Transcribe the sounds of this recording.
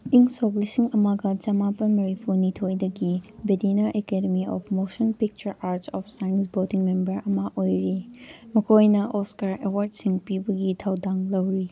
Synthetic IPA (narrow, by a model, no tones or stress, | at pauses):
iŋsoklisiŋɐmaɡɐd͡ʒɐmapɐnmɐɾipʰuɾnitʰojdɐɡibedinɐʔekedemiɔ̰pʰmosɔnpik̚t͡ʃɐɾaɾsɔpʰsajnsbodiŋmembɐɾɐmɐʔojɾimɐkʰojnɐʔɔskaɾewaɾd̚siŋpibɐɡitʰawdaŋlɐwɾi